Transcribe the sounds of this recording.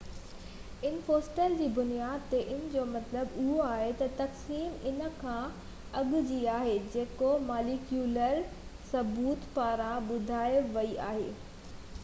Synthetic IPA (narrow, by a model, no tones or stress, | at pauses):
ɪn̆foːsʈəld͡ʑiːbʊnijaːd̪̚t̪eʔɪnə̆d͡ʑoːmɐt̪ləbʊɦoaːɦet̪ɐt̪ɐksiːmɪnə̆kʰã | ɐɠʊd͡ʑiaːɦed͡ʑeːkomaːlikjuːləɾ | sɐbuːt̪paːɾãɓʊd̪ʱaːɪʋɐiʔa̰ːɦeː